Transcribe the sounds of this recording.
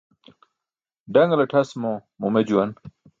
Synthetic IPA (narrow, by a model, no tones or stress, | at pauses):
ɖɐŋɡlɐʈʰɐsmomumed͡ʑuwɐn